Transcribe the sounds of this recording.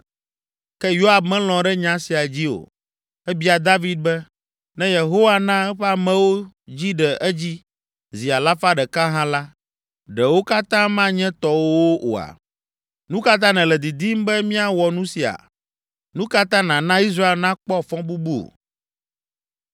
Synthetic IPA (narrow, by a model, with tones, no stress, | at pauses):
kɛ˦jo˦a˨bmɛ̃˦l̃ɔ̃˨ɖɛ˦ɲã˦si˨a˨d͡ʑi˦o̰˨ | ɛ˦bi˦a˨d̪a˦vi˦d̪̚bɛ˦ | nɛ̃˦je˨ɦo˦wa˦˨nã˦ɛ˦ɸɛ˦a˨mɛ̃˦wo˦ | d͡ʑi˦ɖɛ˨ʔɛ˦d͡ʑi˦ | zi˨a˨la˦fa˦ɖɛ˨kã˦ɦã˦la˦ | ɖɛ˨wo˦ka˦t̪ã˦mã˦ɲɛ̃˦t̪ɔ˨wo˦ʔo̰˨a̰˨ | nũ˦ka˦t̪̬ã˦nɛ̃˨lɛ˨d̪i˨d̪i˦m˦bɛ˦mĩ˦a˨wɔ˨nũ˦si˨a̰˨ | nũ˦ka˦t̪ã˦nã˨nã˦i˦s̬ɾa˦e˦lnã˦k͡pɔ˦fɔ̃˦bu˦bu˦o̰˨